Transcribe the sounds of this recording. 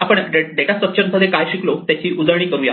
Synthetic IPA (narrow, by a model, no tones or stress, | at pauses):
apəɳɖeɖekasəpt͡ɕʰənmʰəd̪ʱːekajɕiklot̪jat͡ɕiːʔud͡zəɭɽ̃iːkəɾuːja